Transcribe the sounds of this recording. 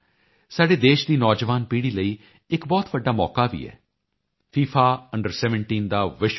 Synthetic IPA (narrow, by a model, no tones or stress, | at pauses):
saːɖeːd̪eːʃd̪iːnɔːd͡ʒʋaːnpiːɽiːləiː | ɪkbɔːt̪ʋəɖːaːmɔ̰ːkaːʋḭːɛ̰ː | pʰiːpʰaːəɳɖəɾsɛːʋəɳʈiːnd̪aːʋɪʃ